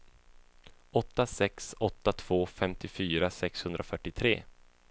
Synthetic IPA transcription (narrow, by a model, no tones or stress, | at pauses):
ɔt̪ːasɛksɔt̪ːat̪ʰv̥oːfɛmt̪ɪfyːɾasɛkshɵnd̪ɾafœʈːɪt̪ʰɾḛː